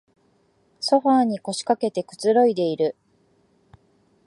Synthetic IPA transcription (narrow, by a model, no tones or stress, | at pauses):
so̞ɸaːɲ̟iko̞ɕi̥kake̞t̪e̞kɯ̟̥t͡sɨɾo̞id̪e̞iɾɯ̟